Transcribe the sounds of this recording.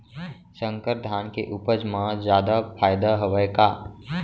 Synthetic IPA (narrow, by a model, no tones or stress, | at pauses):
sə̃ŋkəɾd̪ʱaːnkeʔuːpəd͡ʒmãzjaːd̪apʰaːjd̪aɦəʋəjkaː